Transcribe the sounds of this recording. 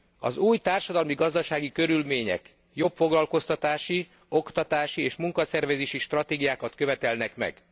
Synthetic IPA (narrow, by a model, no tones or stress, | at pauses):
ɒ̰zuːjt̪aːrʃɒd̪ɒlmiɡɒzd̪ɒʃaːɡikø̞ɾylmeːɲɛ̰k | jo̞pfo̞ɡlɒlko̞st̪ɒt̪aːʃi | o̞kt̪ɒt̪aːʃieːʃmuŋkɒsɛrvɛzeːʃiʃt̪rɒt̪eːɡijaːkɒt̪kø̞vɛt̪ɛlnɛkmɛ̰ɡ̥